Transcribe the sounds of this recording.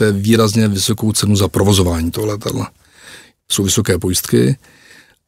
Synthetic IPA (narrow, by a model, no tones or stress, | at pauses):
ɛviːɾazɲɛvɪso̞kowt͡sɛnuzapɾovo̞zovaːɲiːt̪oɦolɛt̪a̰dla | sowvɪso̞kɛːpojst̪kɪ̰